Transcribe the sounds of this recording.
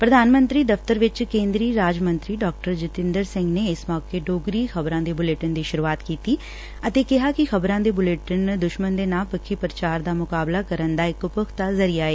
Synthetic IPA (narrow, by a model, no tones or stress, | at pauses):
pɾəd̪aːnmə̃nt̪ɾiːd̪əft̪əɾʋɪt͡ʃkẽːnd̪ɾiːɾaːd͡ʒmə̃nt̪ɾiːɖɔːk̚ʈəɾd͡ʒɪt̪ɪ̃nd̪əɾsɪ̃ŋɡneːɪsmɔːkeːɖoːɡɾiːxʰəbɾãːd̪eːbʊleːʈənd̪iːʃʊɾuːaːt̪kiːt̪iː | ət̪eːkɪɦaːkɪxʰəbɾãːd̪eːbʊleːʈənd̪ʊʃmənd̪eːnaːlpəkʰːiːpɾət͡ʃaːɾd̪aːmʊkaːblaːkəɾənd̪aːɪkʊpʊkʰt̪aːzəɾiːaːeː